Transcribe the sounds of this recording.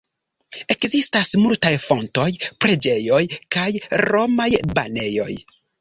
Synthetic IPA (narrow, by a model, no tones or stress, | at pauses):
e̞kzistasmultajfo̞nto̞jpɾe̞d͡ʒe̞jo̞jkajɾo̞majbane̞jo̞̰j